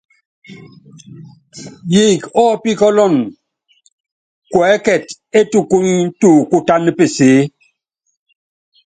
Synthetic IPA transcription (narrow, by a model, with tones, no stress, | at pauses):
ji˨kɔ˦pi˦kɔ˦lɔ˦˨n | kwɛː˨˦kɛ˨t | e˦tu˦ku˦ɲi˦n̩˦tu˦˨ku˦ta˦nɨ˦pe˨seː˨˦